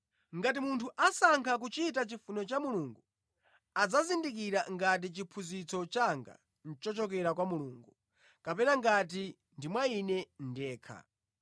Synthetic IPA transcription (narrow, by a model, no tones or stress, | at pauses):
ŋɡat̬imuntʰuʔasaŋkʰak̬ut͡ʃit̬at͡ʃifunɛt͡ʃamuluŋɡu | ad͡zazindik̬iɾaŋɡat̬it͡ʃipʰuzit͡sɔt͡ʃaŋɡa̰ | n̩t͡ʃɔt͡ʃɔk̬ɛɾak̬wamuluːŋɡu | kapɛnaŋɡat̬i | ndimwainɛndɛːkʰa̰